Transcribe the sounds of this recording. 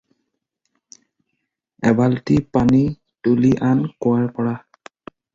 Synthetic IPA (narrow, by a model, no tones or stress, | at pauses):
ɛbaltipani | tuliʔankʊaɹpɔɹa